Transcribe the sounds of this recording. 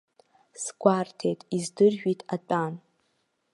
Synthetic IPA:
sɡ̥ʷartʰe̞jtʼizdɨrʒᶣitʼat͡pʼan

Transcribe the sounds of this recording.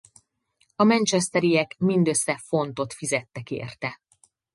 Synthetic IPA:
ɒmɛnt͡ʃɛst̪ɛɾijɛkmind̪ø̞sːɛfo̞nt̪o̞t̪fizɛt̪ːɛkḛːrt̪ɛ

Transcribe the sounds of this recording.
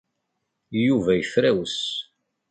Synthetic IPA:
juvæjəfɾæwəs

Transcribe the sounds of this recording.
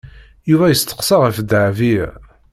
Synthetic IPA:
juvæjəst̪ə̥qsɑʁəfəd̪ʕvi

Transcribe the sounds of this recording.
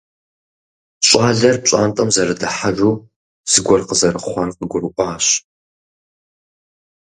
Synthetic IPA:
ɕʼaːɮɐrpɕʼaːntʼɐmzɐɾɨdɨħaʒuː | z̥ɨɡʷɔrqəzɐrɨχʷɑrqəɡʷʊɾɨʔʷʼɑːɕ

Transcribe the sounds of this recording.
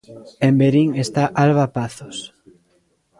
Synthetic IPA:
embeɾiŋest̪aʔalβapaθos

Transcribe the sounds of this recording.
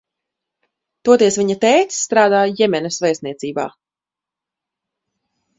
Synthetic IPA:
t̪uɔt̪iɛsvʲiɲat̪ɛːt̪ːt̪ɾaːd̪aːjɛmɛnɐsvɛjsniɛt̪siːba̰ː

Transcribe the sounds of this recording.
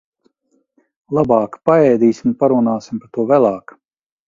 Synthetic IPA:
lˠabɑːkpaɛːd̪iːsʲimpaɾunaːsimpaɾt̪uɔvælˠɑːk

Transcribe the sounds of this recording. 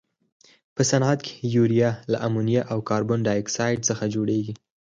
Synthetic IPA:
pəsanɑt̪kʰe̥juɾijɑlaʔamunijaʔawkɑɾbʊnɖajɪksɑjɖsəxad͡ʒoɽeɡi

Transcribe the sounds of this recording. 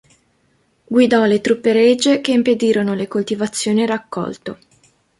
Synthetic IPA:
ɡwid̪ɔlet̪ɾupːeɾed͡ʒːekeimped̪iːɾonolekolt̪ivat̪sːjoːniɾakːɔ̰lt̪o

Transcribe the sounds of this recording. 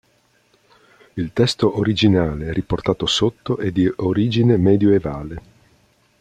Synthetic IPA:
ilt̪ɛst̪oʔoɾid͡ʒinaːleɛriport̪aːt̪osot̪ːoʔed̪ːioɾiːd͡ʒinemɛːd̪joevaːle

